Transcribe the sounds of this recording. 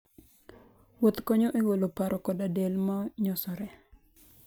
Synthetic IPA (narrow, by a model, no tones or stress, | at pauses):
wot̪koɲoʔeɡolopaɾɔkɔdadelmɔɲɔsɔɾɛ